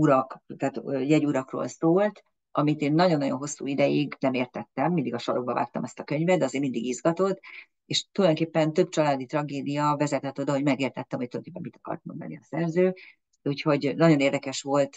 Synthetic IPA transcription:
uɾɒkt̪aːt̪ːjɛɟuɾɒkro̰ːlsoːlt̪ | ʔɒmit̪eːnːɒɟo̞nːɒɟo̞nɦo̞sːṵːid̪ɛjiɡnɛmeːrt̪ɛt̪ːɛmːind̪iɡɒʃɒloɡ̚bɒva̰ːk̚t̪ɒmɛst̪ɒkøɲvɛd̪d̪ɛɒzeːrmind̪iɡizɡɒt̪o̞t̪ː | eʃt̪ulɒjd̪o̞ŋkepːɛnt̪ø̞bt͡ʃɒlaːd̪it̪rɒɡeːd̪ijɒvɛzɛt̪ɛt̪ːo̞d̪ɒɦo̞ɟmɛɡeːrt̪ɛt̪ːɛmhoct̪uldj̪okeːpːɛmit̪ɒ̥kɒ̰rt̪mond̪ɒ̰nḭɒsɛrzøː | uːcho̞ɟnɒɟo̞neːrd̪ɛkɛʃʋo̞lt̪

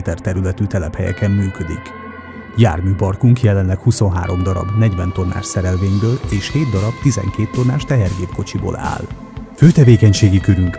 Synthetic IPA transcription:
t̪ɛrt̪ɛɾylɛt̪yt̪ɛlɛphɛjɛ̰kɛmːyːkø̞d̪ḭk | ja̰ːrmyːpɒrkuŋkjɛlɛnlɛkhuso̞nɦa̰ːɾo̞md̪ɒɾɒ̰bnɛɟvɛnt̪o̞rnʔa̰ːʃsɛɾɛlveːɲbøːleːʃheːd̪d̪ɒɾɒbt̪izɛ̰ŋkeːt̪ːo̞rnːa̰ːʃt̪ɛɦɛrɡeːpko̞t͡ʃibo̰ːla̰ːl | føːt̪ɛveːkɛɲʃeːɡikøɾyŋk

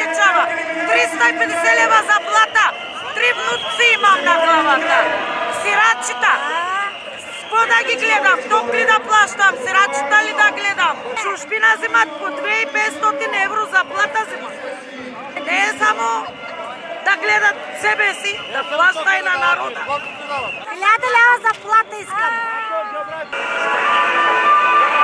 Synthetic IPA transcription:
ɛt͡ʃavat̪ɾist̪aipɛd̪ɛsɛlɛvazaplˠat̪a | t̪ɾimnut̪siimamnaɡlˠavat̪asiɾat͡ʃit̪a | ʃpɔd̪aɡʲiɡlɛd̪amt̪ɔklid̪aplˠaʃt̪amsiɾat͡ʃit̪alid̪aɡlɛd̪amt͡ʃuʃpinazimat̪̚pɔt̪ɾɛipɛt̪st̪ɔt̪inɛvɾɔzaplˠat̪azima | nɛːsamɔ | d̪aɡlɛd̪at̪sɛbɛsid̪aplˠaʃt̪ainanaɾɔd̪ | lʲad̪ɛlʲad̪azaplˠat̪aiskad̪

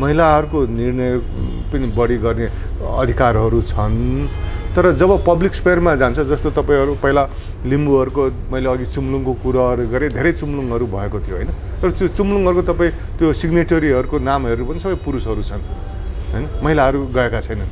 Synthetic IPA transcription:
mʌɦilaɦʌɾukonirnʌj | pʌnibʌɽiɡʌrne | ʌ̰d̪ʱikarɦʌɾut͡sʰʌn | t̪ʌɾʌd͡zʌbʌpʌblikspermad͡zant͡sʰʌd͡zʌst̪ot̪ʌpaĩɦʌɾupaĩla | limbuɦʌɾuko | mʌileʌɡit͡sumluŋkokuɾʌɦʌɾuɡʌɾed̪ʱeɾʌjt͡sumluŋʌɾubʱʌekot̪ʰijoɦʌjnʌ | t̪ʌɾʌt͡sot͡sumluŋɦʌɾukot̪ʌpaĩ | t̪josiɡneʈʌɾiɦʌɾukonamʌɾupʌnisʌbʌjpuɾusɦʌɾut͡sʰʌn | ɦʌjnʌmʌɦilaɦʌɾuɡʌekat͡sʰʌjnʌn

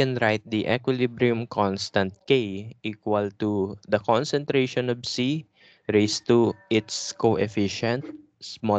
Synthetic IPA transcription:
ɛ̃nɾajt̪̚d̪iʔɛkwɪlibɾiʊmkʰɔnst̪ɐ̃nt̪̚kejʔiːkwɐlt̪ud̪ɐkɔnsɛnt̪ɾejʃɔ̃nɔvsi | ɹejst̪uʔɪt̪skoʔɛfɪʃɛ̃nt̪̚ | smɔ

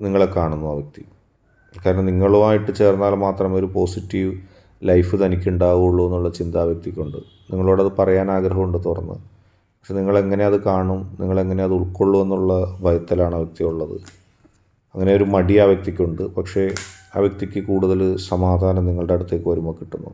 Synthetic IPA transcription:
niŋːɐɭekːaːɳunːuaːʋjɐk̚t̪i | kaːɾɐɳɐmniŋːɐɭumaːjiʈːɨt͡ɕe̞ːrnːaːlmaːt̪rɐmo̞ɾupo̞ːsitːiʋ | lɐjfɨt̪ɐnikʲːuɳɖaːʋuuɭːue̞nːuɭːɐt͡ɕind̪aːʋjɐk̚t̪ikʲːoɳɖɨ | niŋːɐɭoːɽɐðɨpɐrɐjaːnaːɡɾɐɦɐmuɳɖɨt̪orɐ̰nːɨ̰ | pɐkʂe̞niŋːɐɭe̞ŋːɐne̞ɐðɨkaːɳumniŋːɐɭe̞ŋːɐne̞ɐðuɭkoɭːue̞nːuɭːɐbʱɐjɐt̪ːɐlaːɳɐʋjɐk̚t̪jimuɭːɐðɨ̰ | ɐŋːɐne̞o̞ɾumɐɽiaːʋjɐk̚t̪ikʲːoɳɖɨpɐkʂe̞a̰ːʋjɐk̚t̪ikʲːɨkuːɽuðɐlsɐmaːd̪ʱaːnɐmniŋːɐɭɖe̞ɐɽut̪ːeːkːɨʋɐɾumoːkːiʈːunːṵ

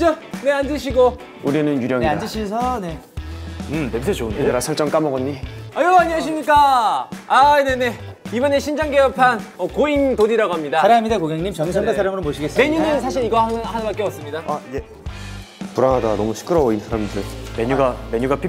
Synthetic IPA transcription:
t͡ɕone̞and͡ʑɯɕʰiɡo | uɾinɯnjuɾjʌŋeand͡ʑɯɕʰisʰʌne̞ | ɯnemsʰeondeeɾasʰʌɭt͡ɕ͈ʌŋk͈amʌɡʌɲːiajoaɲiɦaɕʰimɲik͈a | ane̞ne̞ibʌne̞ɕʰind͡ʑaŋɡeʌpʰanʌkointodiɾaɡoɦamɲidaaɾjaɦamidekoɡeŋɲimt͡ɕʌŋisʰʌŋɡasʰaɾamɯɾompoɕʰiɡes͈meɲunɯnsʰaɕ̬ʰiɾiɡʌhanbak͈eʌps͈ɯmɲidaaiɡe | puɾanɦadanʌmuɕʰi̥k͈ʰɯɾʌoinsʰaɾamdɯɭme̞ɲuɡame̞ɲuɡapʰi

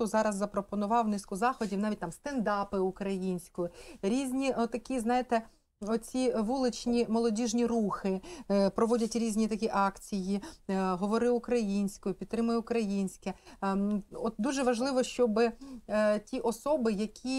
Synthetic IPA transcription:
ʊzɑɾɐzːɐpɾɔpɔnʊʋɑwnɪskʊzɑxɔdʲiwnɑʋʲit̚ʲt̪ɑmst̪end̪ɑpɪukɾɐjinʲsʲkɔjʊɾʲizʲnʲit̪ːɐkʲiznɑjet̪ɛ | ɔt͡sʲiʋulˠɪt͡ʃnʲimɔlˠɔdʲiʒnʲiruxɪpɾɔʋɔdʲɐtʲɾʲizʲnʲit̪ɐkʲiʔɑkt͡sʲijiɦɔʋɔɾɪʊkɾɐjinʲsʲkɔjʊpʲid̪t̪ːɾɪmʊjɛʊkɾɐjinʲsʲkɪ | ɔt̪̚d̪uʒɛʋɐʒlˠɪʋɔʃt͡ʃɔbɪ | tʲiʔɔsɔbɪjɐkʲʰi

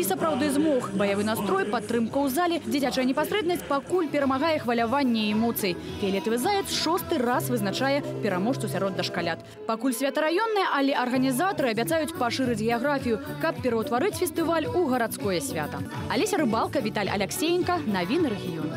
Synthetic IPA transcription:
isɐpɾawd̪ɨzmɔxbɐjavɨnast̪ɾɔjpat̪ːɾɨmkɐwzalʲɛd͡zʲit͡sʲat͡ʂɐjɐnʲɛpasɾɛd̪nɐsʲt͡sʲpakulʲpʲɛɾɐmaɣajɛxvɐlʲavanʲːɛɛmɔt̪sɨji | pʲɛlʲɛt̪vɨzajɛt̪sʂɔst̪ɨrasvɨznat͡ʂajɛpʲɛɾamɔʂt̪sɐsʲaɾɔd̪ːɐʂkalʲat̪ | pakulʲsʲvʲat̪ɐɾajɔnːɐjɐʔɐlʲɛʔɐrɣɐnʲizat̪ɐɾɨɐbʲat̪sajut͡sʲpaʂɨɾɨd͡zʲɣʲɛjaɣɾafʲijukɐpːʲɛɾɐwt̪vaɾɨt͡sʲfʲɛst̪ɨvalʲuɣɐɾat̪skɔjɛsʲvʲa̰t̪ɐ | alʲesʲɐɾɨbalˠkɐvʲit̪alʲɐ̰lʲɛksʲejnkɐnavʲinɐɾɛɣʲijɔn

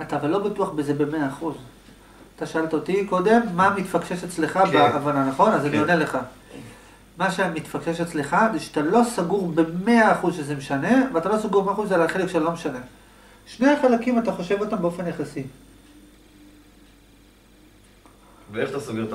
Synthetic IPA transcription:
at̪aːvalːo̞batuaχbeze̞be̞me̞aːχuz | at̪aʃaalt̪aotiko̞d̪e̞mːamit̪fakʃeʃet͡sleχabeʔavananaχo̞nazanionele̞χa | maʃemit̪fakʃeʃat͡sleχazeʃeat̪alo̞saɡuʁbe̞me̞aːχuzʃezemeʃane̞veat̪alo̞saɡuʁmeaχuzalaχe̞lekʃatalo̞meʃane̞ | ʃne̞aχalakimataχo̞ʃe̞vo̞tambeo̞fe̞njaχasi | veeχat̪asoɡeʁt

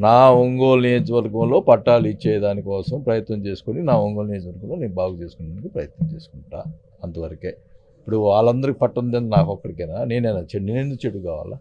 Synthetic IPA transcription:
naːoŋɡo̞ːlnijoːd͡ʒʋɐɾɡɐmlo̞ːpɐʈːaːlit͡ʃːɛːjɐd̪aːnikɔːsɐmpɾɐjɐt̪nɐmt͡ʃe̞ːsu̥koninaːoŋɡoːlnijod͡ʒʋɐɾɡɐmlo̞ːneːnbaːɡut͡ʃe̞ːsu̥kunɐnikipɾɐjɐt̪nɐmt͡ʃe̞ːsu̥kuɳʈːa̰ː | ɐnt̪ɐʋɐɾɐkeː | ipːuɽuʋaːɭɐnd̪ɐɾikipɐʈːɐnd̪end̪inaːkɔkːɐɽikɛnaːne̞ːnɐjnat͡ʃenːinend̪ukt͡ʃeɽːukaːʋa̰ːlaː

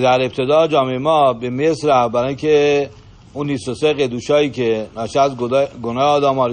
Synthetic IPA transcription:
d̪æɾe̞b̚t̪ʰed̪ɒːd͡ʒɒːmeemɒːbemesɾæfbæɾɒːkʲʰe | unːiːst̪oseɣed̪uːʃɒːjiːcʰenæʃæzɡonɒːɒːd̪æmɒːɾ

